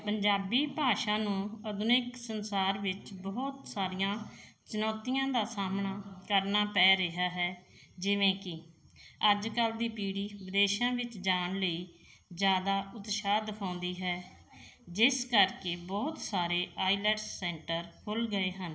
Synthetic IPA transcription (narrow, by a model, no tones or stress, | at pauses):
pəɲd͡ʒaːbiːpaːʃãːnũːəd̪ʊnɪksənsaːɾʋɪt͡ʃbɔːt̪saːɾijãːt͡ʃʊnɔːt̪ijãːd̪aːsaːmnaːkəɾnaːpɛːɾəɦaːɦɛːd͡ʒɪʋẽːkɪ | əd͡ʒkəld̪iːpiːɽiːʋɪd̪eːʃãːʋɪt͡ʃd͡ʒaːɳləiːd͡ʒjaːd̪aːʔʊt̪ʃaːd̪kʰãːnd̪iːɦɛː | d͡ʒɪskəɾkeːbɔːt̪saːɾeːʔaːilɛːʈssɛ̃ːɳʈəɾkʰʊlɡəeːɦən